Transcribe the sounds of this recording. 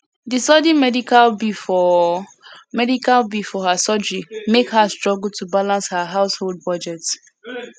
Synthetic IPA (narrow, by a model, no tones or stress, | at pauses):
disɔdĩmɛdikalbifɔ | mɛdikalbifɔhasɔd͡ʒɹimekhastɹɔɡl̩tʰubalãnshaɦaʊshold̚bɔd͡ʒɛt